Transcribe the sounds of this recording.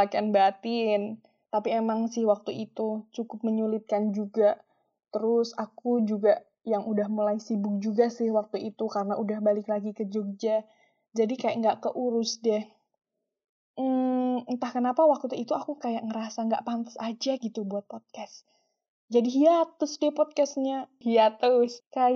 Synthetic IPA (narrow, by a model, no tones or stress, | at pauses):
akianbat̪in | t̪apiemaŋsɪhwak̚t̪uit̪ut͡ʃukʊp̚məɲulɪt̪̚kand͡ʒuɡa | t̪əɾʊsakud͡ʒuɡaʔ | jaŋʔudahmulaisibʊk̚d͡ʒuɡasɪhwak̚t̪uit̪ukaɾənaʔudahbalɪklaɡikəd͡ʒok̚d͡ʒa | d͡ʒadikajaʔŋɡaʔkəʔuɾʊsdɛh | nt̪ahkənapawak̚t̪ut̪uit̪uakukajaʔŋəɾasaŋɡa̰ʔpant̪ḁsad͡ʒaɡit̪ubuat̪̚pod̪̚kas | d͡ʒadiɦiat̪ːʊsdɛpɔd̪̚kast̪̚ɲahiat̪ːəɾskaj